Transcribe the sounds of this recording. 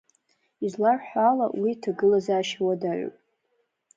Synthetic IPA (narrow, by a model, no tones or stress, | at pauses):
izlarħʷala̰witʰaɡɨlazaʃwadaʕʷo̰pʼ